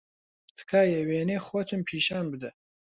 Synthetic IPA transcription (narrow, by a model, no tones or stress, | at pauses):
tt̪ʰɨ̥kʰaːjɛweːneːxoːt̪ʰɨmpʰiːʃaːnbɨd̪ɐ